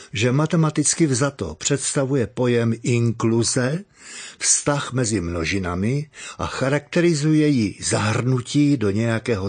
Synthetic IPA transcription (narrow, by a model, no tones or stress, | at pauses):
ʒɛmat̪ɛmat̪ɪt͡skɪvzat̪o̰pr̝̥ɛt̪st̪avujɛpo̞jɛmɪŋkluzɛ | fst̪axmɛzɪmno̞ʒɪnamɪʔa̰xaɾak̚t̪ɛɾɪzujɛjɪzaɦrnuciːdo̞ɲɛjakɛːɦo